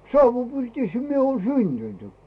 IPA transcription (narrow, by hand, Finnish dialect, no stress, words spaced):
sɑuʋupirtiˑshæ mie oːn syntyntykːiː